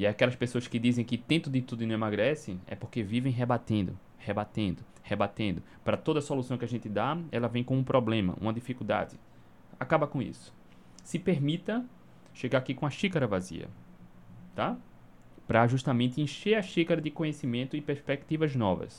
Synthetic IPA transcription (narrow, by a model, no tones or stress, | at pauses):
iakɛlɐspesoɐskɪd̪izẽj̃kɪt̪ẽnt̪ʊd̪ɪt̪ud̪ʊɪnɐ̃emaɡɾɛsɪ̃ɛ̰poɾkevivẽj̃ɦebat̪ẽnd̪ʊ̰ | hebat̪ẽnd̪ʊ | hebat̪ẽnd̪ʊ | pɾɐt̪od̪ɐsolusɐ̃w̃kɪaʒẽnt̪ɪd̪aɛlɐvẽj̃kõũpɾɔblẽmɐ̰ʔṵ̃mɐd̪ifikud̪a̰d͡ʒ̪ɪ | akabɐkõḭsʊ̥ | sɪpeɾmit̪ɐ | ʃeɡaɾakikõɐʃikaɾɐvazḭɐ̰ | t̪a | pɾɐʒuʃt̪amẽnt̪ɪẽʃeɾɐʃikaɾɐd̪ɪkõɲesimẽnt̪ʊɪpeɾspek̚t̪ivɐznɔvɐ̰s